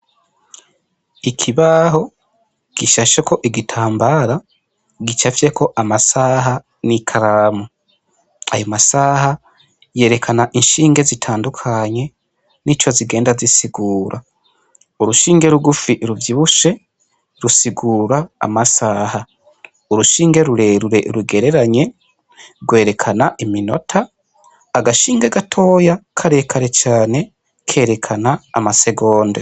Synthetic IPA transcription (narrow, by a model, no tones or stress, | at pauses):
ikʰiβaɦo̞ | ɡ̥iʃaʃekʰo̞ʔiɡitʰaːmbaɾa | ɡit͡ʃafje̞kʰo̞ʔamasaɦa | nikʰaɾamu | a̰jomasaːha | je̞ːɾe̞kʰanaʔinʃiːŋɡe̞zitʰaːndukʰaɲe̞ | nit͡ʃo̞ziɡe̞ːndazisiɡuːɾʔa | uɾuʃiːŋɡe̞ɾuɡufiʔɾuvjiβuʃe̞ | ɾusiɡuːɾaa̰masaha | uɾuʃiːŋɡe̞ɾuɾe̞ɾuɾe̞ʔɾuɡe̞ɾe̞ɾaɲe̞ | ɾɡwe̞ːɾe̞kʰanaʔimino̞̰tʰaː | ɡaʃiːŋɡeɡatʰo̞ːjakʰaɾe̞kʰaɾe̞t͡ʃaːne̞ | kʰe̞ːɾe̞kʰana̰ːmase̞ɡo̞ːnde